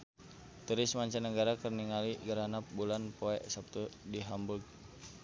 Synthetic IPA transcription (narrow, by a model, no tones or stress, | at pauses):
t̪uɾɪsmaɲt͡ʃanəɡaɾakərniŋaliɡəɾanap̚bulanpoɛʔsap̚t̪udiɦambuɡ̚